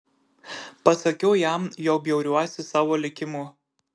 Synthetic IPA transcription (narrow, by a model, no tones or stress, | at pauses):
pɐsɐkʲɛʊjæˑmjɛʊbʲjɛʊɾʲuɔsʲɪsɑːʋoːlʲɪkʲɪmuː